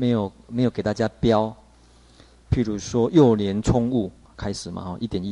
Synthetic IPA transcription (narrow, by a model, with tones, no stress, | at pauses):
me˧˦jo˨˩ʊmẽ˧˦jke˨˩t̪a˥˧˩t͡ɕja˦pja˦ʊ | pʰi˥˩ɾu˨˦swɔ˦jo˥˨ʊljɛ˨˦nt͡sʰɔ˦ŋu˥˩ | kʰa˦ɪʂɻ̩˨˩ma̰˨˦hɔ˥˨ʔi˥˦t̪jɛ˨˩ni˦